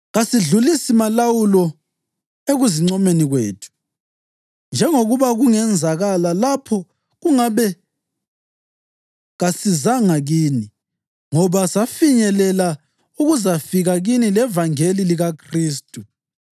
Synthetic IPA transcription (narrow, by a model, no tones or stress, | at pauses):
ɣasiɮulisimalawulɔ | eɣuziŋ͡ǀɔmeniɣweːtʰu̥ | nd͡ʒʱɛŋoɣuβaɣuŋɛnd͡zʱaɣalalapʰɔ | ɣuŋaβɛ | ɣasizaŋaɣiːni | ŋɔβasafiɲɛlɛla | uɣuzafiɣaɣinilɛvaŋeliliɣakʰriːstʼu